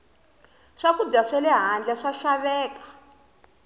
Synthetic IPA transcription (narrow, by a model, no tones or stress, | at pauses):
ʂakud͡ʒaʂɛlɛɦand͡ɮɛʂaʃaβɛːkḁ